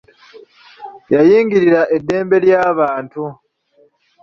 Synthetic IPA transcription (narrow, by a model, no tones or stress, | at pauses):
jajiːŋɡiɾiɾaʔe̞dːe̞ːmbe̞ljaːβaːntu